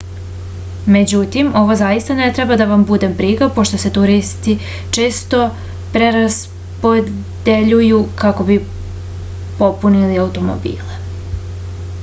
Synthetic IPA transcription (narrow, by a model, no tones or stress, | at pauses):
me̞d͡ʑut̪imo̞ʋo̞zajist̪anet̪ɾebad̪aʋambud̪e̞mpɾiɡapo̞ʃt̪o̞se̞t̪uɾist̪i | t͡ʃeːst̪o̞ | pɾe̞ɾas | po̞ | d̪e̞ʎujukako̞bi | po̞puniliaut̪o̞mo̰bḭːle